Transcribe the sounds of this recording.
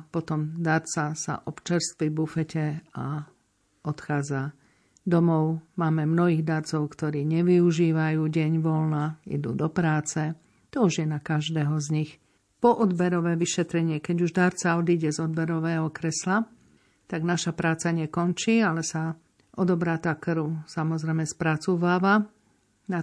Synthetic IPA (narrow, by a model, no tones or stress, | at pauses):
pɔt̪ɔmd̪aɾt͡sasa̰ʔɔpt͡ʃɛɾst̪ʋibufɛcɛa̰ | ɔt̪xaːd͡za | d̪ɔmɔʊmaːmɛmnɔɦiːɣd̪aɾt͡sɔʊkt̪ɔɾiːɲɛʋiuʒiːʋajuːɟɛɲʋɔlnaḭd̪ṵːd̪ɔpɾaːt͡sɛ | t̪ɔuʒjɛnakaʒd̪ɛːɦɔzɲix | pɔʔɔd̪bɛɾɔʋɛːʋiʃɛt̪ɾɛɲɪɛkɛɟuʒd̪aɾt͡saɔd̪iɟɛzɔd̪̚bɛɾɔʋɛːɦɔkɾɛsla | t̪aɡnaʃapɾaːt͡saɲɛkɔnt͡ʃiːalɛsa | ʔɔd̪ɔbɾat̪akɾusamɔzɾɛmɛspɾat͡suʋaːʋa | na